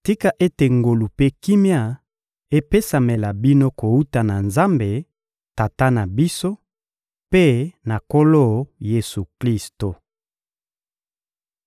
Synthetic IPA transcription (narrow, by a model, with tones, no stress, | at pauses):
ti˦ka˦ʔe˦te˨ŋɡo˨lu˨pe˦ki˦mja˦˨ | e˦pe˦sa˨me˨la˨bi˦no˦ko˨u˦ta˨na˨nza˦mbe˨ | ta˨ta˦na˨bi˦so˦ | pe˦na˨ko˦lo˦˨je˨su˨kli˦sto˨